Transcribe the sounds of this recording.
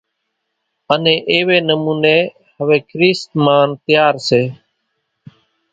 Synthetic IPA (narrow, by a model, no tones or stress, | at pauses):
ənẽːʔeːʋeːnəmuːneː | ɦəʋeːkʰɾiːst̪maːnt̪ɪjaːɾseː